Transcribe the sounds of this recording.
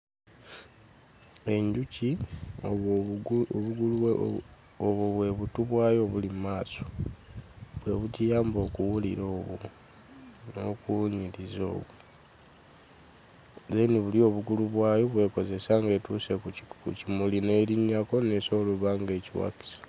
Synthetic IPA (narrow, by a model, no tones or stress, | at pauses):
e̞ɲɟuci | βuɡul | oβoβwe̞βutuβwaːjo̞βulimmaːso̞̥ | βwe̞βucijaːmbo̞ːkuwulḭɾo̞ːβu | no̞kuɲilizo̞̰ːβu | zeniβulio̞ːβuɡuluβwaːjo̞βwe̞ːko̞ze̞saŋɡe̞tusekkṵcimuline̞ːliɲːako̞neso̞ːluβaːŋɡe̞ːciwa̰ki̥si̥